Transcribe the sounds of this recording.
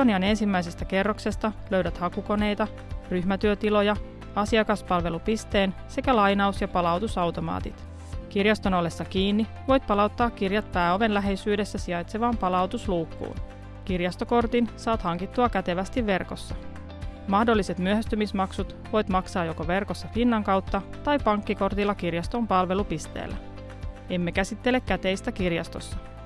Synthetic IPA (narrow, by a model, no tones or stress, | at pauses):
oniɑne̞nsimːæjs̬e̞st̪æke̞rːokse̞st̪ɑløɥdæt̪hɑkuko̞ne̞jt̪ɑ | ryçmæt̪yøt̪ilo̞jɑ | ɑsiɑkɑspɑlʋe̞lupist̪e̞ːn | se̞kælɑjnɑusjɑpɑlɑwt̪usɑwt̪o̞mɑ̰ːt̪ḭt̪ | kirjɑst̪o̞no̞lːe̞sːɑkiːnːi | ʋo̞jt̪̚pɑlɑut̪ːɑːkkirjɑt̪̚pæːo̞ʋe̞nlæɦe̞jsyːde̞sːæsiɑjt̪seʋɑːmpɑlɑwt̪usluːkːṵːn | kirjɑst̪o̞ko̞rt̪insɑːt̪hɑŋkit̪ːuɑkæt̪e̞ʋæst̪iʋːe̞rko̞sːɑ | mɑhdolːise̞t̪myøhæst̪ymismɑksut̪ | ʋo̞jt̪mɑksɑːjokoʋe̞rkosːɑfinːɑŋkɑwt̪ːɑt̪ɑjpɑŋkːiko̞rt̪ilːɑkirjɑst̪o̞mpɑlʋe̞lupist̪ḛːlːæ̰ | e̞mːe̞kæsit̪ːe̞lekːæt̪e̞jst̪ækirjɑ̰st̪o̞̰sːɑ